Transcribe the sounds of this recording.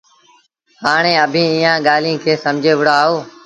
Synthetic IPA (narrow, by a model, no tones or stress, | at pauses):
haːɳ̃eːəbʱĩːiːãːɠaːlĩːkʰeːsəmd͡ʒʱeːʋʊɽaːɦoː